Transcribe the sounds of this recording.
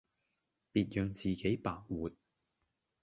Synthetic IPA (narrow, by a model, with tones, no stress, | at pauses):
piː˧t̚jœː˧ŋt͡siː˨ke˨˥jpaː˨k̚wuː˨t̚